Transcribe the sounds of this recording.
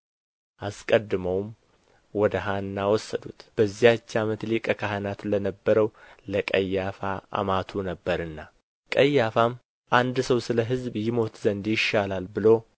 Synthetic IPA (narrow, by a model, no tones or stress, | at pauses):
ʔaskʼəd̪ːɨməwm | wɔd̪əɦanːawɔsːəd̪ut̪b̥əzːijat͡ʃːamət̪likʼəkʰahənat̪lənəbːəɾəwləkʼəjːafaa̰mat̪ʰunəbːəɾɨnːa | kʼəjːafam | ʔand̪səwsɨləɦɨzbjɪmo̞t̪zənd̪jɪʃːalalbɨlo̞